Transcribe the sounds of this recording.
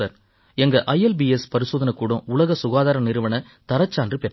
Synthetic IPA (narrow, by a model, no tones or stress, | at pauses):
ɐɾ | ɛŋɡɐʔɐjɐlbiɛspɐɾɪsoːðɐnɐkːuːɽõʊɭɐɣɐsʊɣaːðaːɾɐnɪɾɯʋɐɳɐ | t̪ɐɾɐt͡ʃːaːndrɯpɛʈː